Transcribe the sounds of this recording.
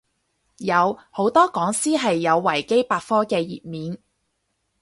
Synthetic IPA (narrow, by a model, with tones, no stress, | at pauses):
jɐ˨˧who˨˥wt̪ɔː˥kɔː˨˥ŋsiː˥ɦɐ˨jːɐ˨˧wːɐ˨˩jke˥jpaː˧t̚fɔː˥kɛː˧jḭː˨˩t̚miː˨˧n